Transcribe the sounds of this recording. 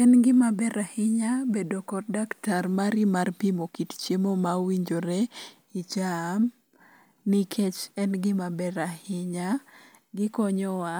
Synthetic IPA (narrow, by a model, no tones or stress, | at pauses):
ɛnɡɪmabɛɾahɪɲabedokɔt̚daktarmaɾimarpimokitt͡ʃemomawiɲd͡ʒoɾe | it͡ʃam | nikʰet͡ʃɛnɡɪmabɛɾahɪɲa | ɡɪkɔɲɔwa